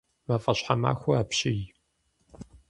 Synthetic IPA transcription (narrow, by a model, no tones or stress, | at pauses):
mɐfʼɐɕħama̰ːxʷʊaːpɕɪj